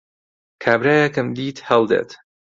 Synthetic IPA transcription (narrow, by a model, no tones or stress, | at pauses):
kʰaːbɾaːjɐkɨmd̪iːt̪hɛlˠd̪ḛːt̪